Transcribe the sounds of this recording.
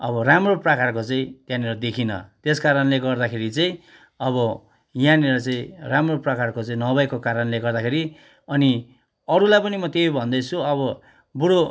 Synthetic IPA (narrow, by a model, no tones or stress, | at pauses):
ʌbʌramroprʌkarkot͡saĩt̪jãneɾʌd̪ekʰinʌ̰t̪eskaɾʌnleɡʌrd̪akʰeɾit͡sãĩ | ʌβʌ | jãneɾʌt͡sʌĩramroprʌkarkot͡sʌĩnʌbajkokaɾʌnleɡʌrd̪akʰeɾi | ʌni | ʌɾulajpʌnimʌt̪ejbʱʌnd̪ʌt͡sʰuʌβʌ | buɽo